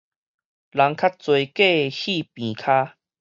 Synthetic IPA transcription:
la˨˦ŋkʰa˦t̚t͡swe˨˩jke˥˨hi˥˧˨pĩ˨˩kʰaː˦

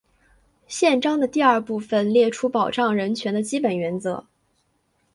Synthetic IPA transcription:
ɕjɛ˥˩nʈ͡ʂɑ˥ŋd̪ə˨t̪i˥˧ɐ˞˥˧pu˥˩fə˨˩nljɛ˥˩ʈ͡ʂʰu˥pɑ˨˩ʊʈ͡ʂɑ˥˩ŋɻə˧˥nt͡ɕʰɥɛ˧˥nd̪ə˧t͡ɕi˥pə˨˩nɥɛ˧˥nt͡sɤ˧˥

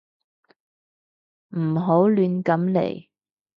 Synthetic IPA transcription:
m̩˨˩ɦo˨˥wlyː˧nkɐ˨˥mlḛ˨˩j

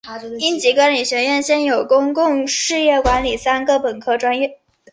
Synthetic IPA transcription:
i˥nt͡ɕi˧˥kwa˥nli˨˩ɕɥɛ˧˥ɥɛ˥˧nɕjɛ˥˩njo˨˩ʊkʊ˥ŋkʊ˥˧ŋʂɻ̩˥˧jɛ˥˩kwa˧˥nli˨˩sa˥nɡə˨pə˨˩nkʰɤ˥ʈ͡ʂwa˥njɛ˥˩

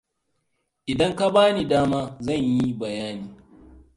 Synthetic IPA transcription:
ʔɪ˨dɐ˦ŋka˦baː˦ni˨daː˦maː˦zɐ˦˨ɲji˦bɐ˨jaː˦niː˨

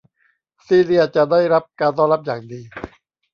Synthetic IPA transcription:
siː˧˩li˦˥ɐt͡ɕa˨˩ʔdaː˥˩jɾa˦˥p̚kaː˧nt̪ɔː˥˩ŋɾa˦˥p̚jaː˨˩ŋdiː˧

